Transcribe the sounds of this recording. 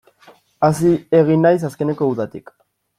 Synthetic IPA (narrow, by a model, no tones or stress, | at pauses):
asie̞ɣ̞inːajs̬aske̞ne̞ko̞uðat̪ik